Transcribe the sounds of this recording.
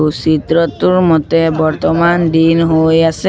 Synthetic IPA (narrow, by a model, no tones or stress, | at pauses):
usit̪ɹɔt̪uɹmɔt̪ɛbɔɹt̪ɔmandinɦojasɛ